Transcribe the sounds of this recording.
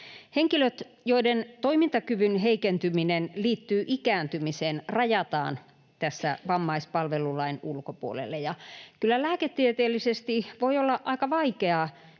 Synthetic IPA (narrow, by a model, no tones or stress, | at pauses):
heŋkiløt̪ | joident̪oimint̪ɑkyʋynɦeikent̪yminenliːt̪ːyːʔikæːnt̪ymiseːnrɑjɑt̪ɑ̰ːn | t̪æsːæ̰ʋɑmːɑispɑlʋelulɑinulkopuolḛlːejɑkylːælæːket̪ːiet̪eːlːisest̪iʋoiolːɑʔɑikɑʋɑikeɑ